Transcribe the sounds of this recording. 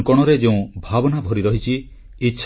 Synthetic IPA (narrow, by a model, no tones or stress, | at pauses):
kɔɽ̃ɔɾed͡ʒeũbʱabɔnabʱɔɾiɾɔɦit͡ʃʰiː | tːʃʰ